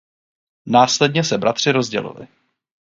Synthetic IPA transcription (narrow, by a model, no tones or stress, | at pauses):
naːslɛdɲɛsɛbɾʔat̪r̝̥ɪɾo̞zɟɛ̰lɪ̰lɪ̰